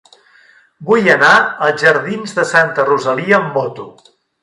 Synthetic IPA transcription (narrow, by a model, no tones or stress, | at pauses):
bujənaəlˠʒəɾðinzðəsant̪əruzəliəːmːɔt̪u